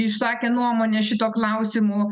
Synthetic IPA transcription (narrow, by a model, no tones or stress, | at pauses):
ɪʃsɑːkʲɛnuɔmoːnʲɛʃʲɪt̪oːklˠɑʊsʲɪmʊː